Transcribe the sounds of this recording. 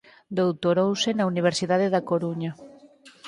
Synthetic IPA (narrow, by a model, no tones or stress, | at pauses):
d̪owt̪oɾowsɪnɐuniβ̞eɾsiðaðeðakoɾuɲɐ